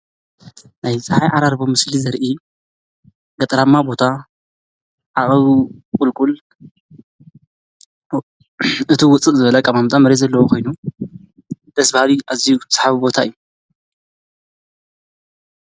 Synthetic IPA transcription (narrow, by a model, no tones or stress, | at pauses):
najsʼɐħajʔaɾaɾbo̞mɨslizɐɾʔi | ɡɐt̪ʼɾamːabo̞t̪ʰa | ʔaχʼɐβkʼʊlkʼul | ɨt̪ʰiwʊt͡sʼɨʔzɨβɐlɐkʼɐmamt̪ʼamɐɾezɐlːɐwokʰo̞jnu | d̪̥ɐsbahaliʔazijusħaβibo̞t̪ʰaɨjːu